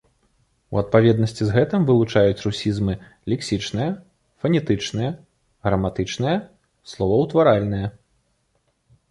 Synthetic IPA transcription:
ṵɐt̪̚pavʲɛd̪nɐsʲt͡sʲizɣɛt̪ɨmvɨlˠut͡ʂajut͡sʲrusʲizmɨ | lʲɛksʲit͡ʂnɨjɐ | fɐnʲɛt̪ɨt͡ʂnɨjɐ | ɣɾɐmat̪ɨt͡ʂnɨjɐ | slˠɔvɐwt̪vaɾalʲnɨjɐ

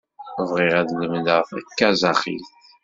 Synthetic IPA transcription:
vʁiʁæðləmləʁθækːæzɑχḭlθ

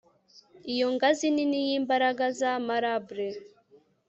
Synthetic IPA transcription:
ijoŋɡazininijiːmbaɾaɡazamaɾabɾe

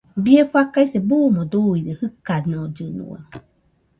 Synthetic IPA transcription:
bieɸakajsebuːmod̪uiɾehɨkanod͡ʒɨnṵa̰

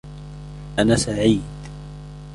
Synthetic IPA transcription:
ʔanasaʕiːd̪

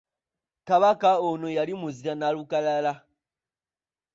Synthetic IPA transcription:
kaβakaonojalimuziɾanalukalala

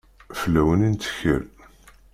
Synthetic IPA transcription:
flːæwənint̪ə̥çə̰l

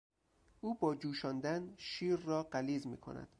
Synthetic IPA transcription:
ʔuːbɒːd͡ʒuːʃɒːnd̪ænʃiːɾːɒːɢæliːzmḭːkʰo̰næ̰d̪̥

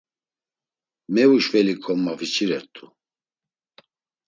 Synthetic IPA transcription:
mɛvuʃvɛlikʰʼɔmːavit͡ʃʰʼiɾɛt̪ʰʼu

